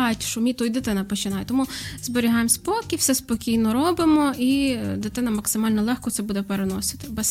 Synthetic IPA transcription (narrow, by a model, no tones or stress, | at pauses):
ɑjtʲʃʊmʲit̪ɔjd̪ɪt̪ɪnɐpɔt͡ʃɪnɑjɛt̪ɔmuzbɔɾʲiɦɑjmsʲpɔkʲiwfsɛspɔkʲijnɔɾɔbɪmɔid̪ɪt̪ɪnɐmɐksɪmɑlʲnɔlˠɛxkɔt̪sɛbud̪ɛpeɾenɔsɪ̥t̪ɪ̥bɛs